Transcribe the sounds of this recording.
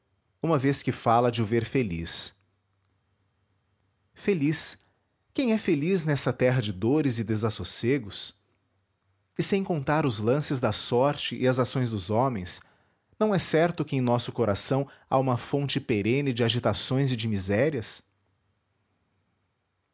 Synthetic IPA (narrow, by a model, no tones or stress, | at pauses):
ũmɐveskɪfalɐd͡ʒɪʊveɾfelḭs | felis | kẽj̃ɛfeliznɛsɐt̪ɛɦɐd͡ʒɪd̪oɾɪzɪd̪ezasoseɡʊs | ɪsẽj̃kõnt̪aɾʊzlɐ̃sɪzd̪ɐsɔɾt͡ʃɪʔɪɐzasõj̃zd̪ʊzɔmẽj̃s | nɐ̃w̃ɛsɛɾt̪ʊkɪẽj̃nɔsʊkoɾasɐ̃w̃a̰ũmɐfõnt͡ʃɪpeɾẽnɪd͡ʒɪaʒit̪asõj̃zɪd͡ʒɪmizɛɾiɐs